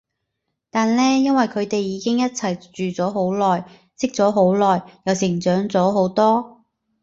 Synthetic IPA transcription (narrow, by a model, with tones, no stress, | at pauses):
t̪aː˨nlɛː˥jɐ˥nwɐ˨jkʰɵ˨˧ɥt̪e˨jːiː˨˧kɪ˥ŋjɐ˥t̚t͡sʰɐ˨˩jt͡ʃyː˨t͡sɔː˨˥ɦo˨˥wlɔː˨˩j | sɪ˥k̚t͡sɔː˨˥ɦo˨˥wlɔː˨jjɐ˨wsɪ˨˩ŋt͡sœː˨˥ŋt͡sɔː˨˥ɦo˨˥wt̪ɔː˥